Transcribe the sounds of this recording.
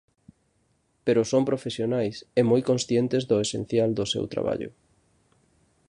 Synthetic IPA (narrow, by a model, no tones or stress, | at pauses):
peɾʊsompɾofesjonajsɛmojkõnsθjent̪ezðʊesḛn̟θjald̪ʊsḛwt̪ɾa̰βa̰ʎʊ̰